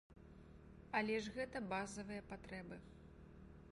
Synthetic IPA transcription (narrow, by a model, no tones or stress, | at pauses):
ɐlʲɛʐɣɛt̪ɐbazɐvɨjɐpat̪ɾɛbɨ